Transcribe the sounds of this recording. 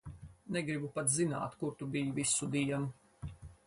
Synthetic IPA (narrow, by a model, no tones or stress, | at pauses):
neɡɾibupat̪zina̰ːt̪kuɾt̪ubijvisud̪iɛnu